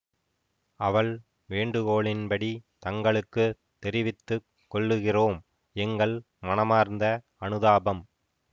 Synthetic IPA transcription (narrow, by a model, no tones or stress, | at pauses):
ɐʋɐɭ | ʋeːɳɖɯɣoːɭɪnpɐɽit̪ɐŋɡɐɭɯkːɯ | t̪ːɛɾɪʋɪt̪ːɯ | kːɔɭːɯɣɪroːm | ɛŋɡɐɭ | mɐnɐmaːɾnd̪ɐ | ɐnɯðaːbɐm